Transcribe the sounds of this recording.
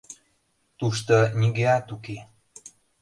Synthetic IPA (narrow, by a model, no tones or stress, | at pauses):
t̪uʃt̪onʲiɣeɑt̪uke